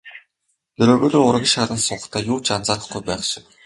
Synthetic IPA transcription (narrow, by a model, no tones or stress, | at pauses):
jɵɾoːɣoːɮoːʊɾ̆ʲə̆ʃaɾə̆nsʊːχt̪ʰæːjuːt͡ɕant͡saːɾə̆χɡujpæːχʃɪ̆w